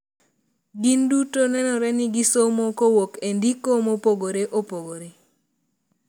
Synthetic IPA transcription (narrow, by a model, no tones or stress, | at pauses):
ɡindutonɛnɔɾɛnɪɡisomokowokendikomopoɡoɾeʔopoɡoɾe